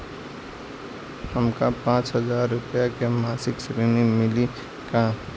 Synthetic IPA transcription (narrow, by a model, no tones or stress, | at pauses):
həmkapãːt͡ʃɦəzaːɾːʊpjakemaːsɪksɾinimɪli | ka